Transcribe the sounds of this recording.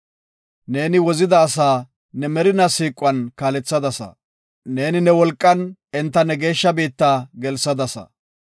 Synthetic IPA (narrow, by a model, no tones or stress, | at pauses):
ne̞ːnɪwɔzɪd̪ɐːsaː | nɛmɛɾɪnɐsiːkʼʊwɐnkaːlɛt͡sːɐd̪ɐsɐ̰ | ne̞ːnɪnɛwɔlkʼːɐnɛnt̪ːɐnɛɡe̞ːʃːɐbiːt̪ːaːɡɛlsɐd̪ɐsɐ̰